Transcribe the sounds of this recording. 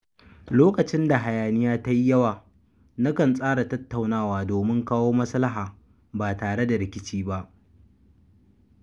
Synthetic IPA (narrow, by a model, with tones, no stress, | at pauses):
loː˦kɐ˨t͡ʃɪ˦nda˨ɦa˨jaː˨nɪ˦jaː˦ta˦ji˦jɐ˦waː˨ | na˦kɐ˨nsʼaː˦ɽa˨tɐ˦tːa˨wnaː˦waː˨doː˨mɪ˦ŋkaː˦woː˦mɐ˦sɐ˦la˦ɦaː˨ | baː˨taː˨ɽe˦da˨ɾɪ˨kʲɪ˦t͡ʃiː˦ba˦ʔ